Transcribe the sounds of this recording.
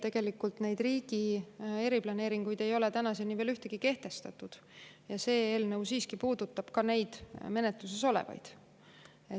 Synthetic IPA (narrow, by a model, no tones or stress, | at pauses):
t̪e̞ɡ̥e̞likːˑult̪ne̞jd̪riːɡ̥ie̞ɾiplɑne̞ːɾiŋɡ̥ujd̪e̞jo̞le̞t̪ænɑsenive̞ːlyht̪e̞ɡ̥ike̞ht̪e̞st̪ɑt̪ːˑud̪̥ | jɑse̞ːeːlneuwsiːskipuːd̪̥ut̪ːˑɑb̥kɑne̞jd̪̥me̞net̪lus̬e̞so̞lḛvɑ̰jd̪̥ | e